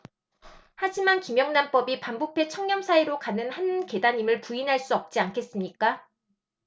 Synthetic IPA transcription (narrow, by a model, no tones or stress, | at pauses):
had͡ʑimankimjʌŋnamp͈ʌbipambopʰe̞t͡ɕʰʌŋɲʌmsʰaiɾokanɯnhanke̞daɲimɯɭpuinɦaɭs͈uʌp̚t͡ɕ͈iankʰe̞s͈ɯmɲik͈a